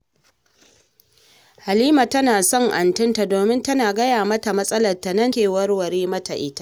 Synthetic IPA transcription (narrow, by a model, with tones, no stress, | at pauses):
ha˨liː˦ma˨tɐ˦naː˨sɔ˦ŋʔa˨ntɪ˦nta˨doː˨mɪ˦ntɐ˦naː˨ɡɐ˦jaː˨mɐ˦ta˨mɐ˦sʼɐ˦lɐ˨rtːa˨nɐ˦nteː˨wɐ˦rwɐ˨ɾeː˦mɐ˦ta˨ʔɪ˦ta˦ʔ